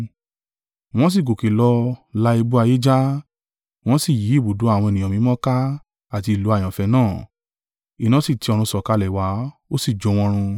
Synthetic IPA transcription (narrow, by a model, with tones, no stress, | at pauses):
w̃ɔ̃˦s̬i˦˨ko˨ke˨lɔ˧la˧˦i˧bu˦a˧je˦d͡ʒa˦ | w̃ɔ̃˦si˦˨ji˨˦i˦˨bo˨do˨˦a˦˨w̃ɔ̃˧e˧nĩ˨ɔ̃˨mĩ˨˦mɔ̃˦ka˦ | a˦˨ti˧i˨lu˨˦a˦˨j̃ã˨fɛ˧nãː˦˨ | i˨nã˦si˦˨ti˨˧˦ɔ˧ɾ̃ũ˧sɔ˨ka˧lɛ˨wa˨˦o˦si˦˨d͡ʒo˨˧˦w̃ɔ̃˧ɾ̃ũ˧